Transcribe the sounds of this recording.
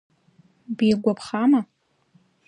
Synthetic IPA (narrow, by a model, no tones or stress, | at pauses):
biɡʷapʰχama